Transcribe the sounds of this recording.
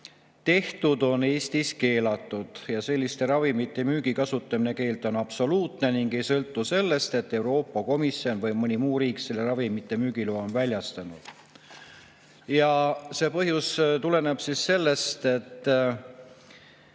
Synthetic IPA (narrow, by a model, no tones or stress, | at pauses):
t̪e̞ht̪ud̪o̞ne̞ːst̪iske̞ːlɑt̪ːˑud̪̥jɑse̞lʲːist̪e̞ɾɑvimit̪ːˑe̞myːɡ̥ikɑsut̪ˑːɑmine̞ke̞ːlt̪ˑo̞nɑb̥so̞luːt̪ne̞niŋɡ̥e̞jsɤlt̪ːuse̞lːe̞st̪e̞t̪ːe̞wɾo̞ːpːˑɑko̞misjo̞nvɤjmɤnʲimuːɾiːkse̞lːe̞ɾɑvimit̪ːˑe̞myːɡ̥iloːonvælʲjɑst̪ɑnud̪̥ | jɑse̞ːpɤɦjust̪ule̞neb̥sisːe̞lːe̞st̪e̞t̪ː